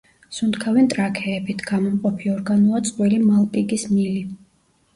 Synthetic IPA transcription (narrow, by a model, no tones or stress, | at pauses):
sund̪kʰavɛnt̪ʼɾakʰɛːbit̪ʰɡ̥amɔmqʼɔpʰiɔɾɡanuat̪sʼd̪ʼwilimalˠpʼiɡismili